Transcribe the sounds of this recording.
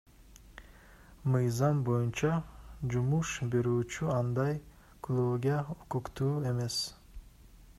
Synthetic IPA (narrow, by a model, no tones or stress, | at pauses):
mɯjzɑmbo̞junt͡ʃɑd͡ʒumuʃbe̞ɾyːt͡ʃʰyɑnd̪ɑj | klˠuɡʲiaokukt̪uːe̞me̞s